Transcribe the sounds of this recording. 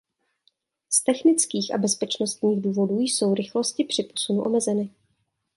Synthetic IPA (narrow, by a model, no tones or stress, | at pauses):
st̪ɛxnɪt͡skiːxʔa̰bɛspɛt͡ʃnost̪ɲiːɣduːvo̞duːjso̞wɾɪxlo̞scɪpr̥ɪpo̞sunuʔo̞̰mɛzɛnɪ